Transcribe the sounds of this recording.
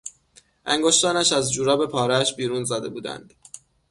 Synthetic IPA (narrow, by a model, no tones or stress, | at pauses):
ʔæŋɡoʃt̪ɒːnæʃæzd͡ʒuːɾɒːbe̞pʰɒːɾeæʃbiːɾuːnzæːd̪e̞̰buːd̪æ̰nd̪̥